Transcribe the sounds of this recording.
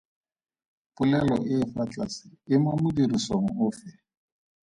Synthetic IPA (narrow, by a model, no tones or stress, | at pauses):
pʼulɛlɔ̰ʔɪːfat͡ɬʼasɪɪmamʊdirisoŋ̩ʊːfɛ